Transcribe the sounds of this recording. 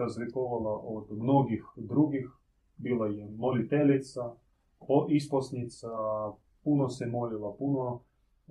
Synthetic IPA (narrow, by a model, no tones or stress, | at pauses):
azlikoʋalaʔod̪mnoɡixd̪ɾuɡix | biːlajɛmolit̪ɛlʲit̪sa | oʔisposnit̪sa | punosɛmolilapuno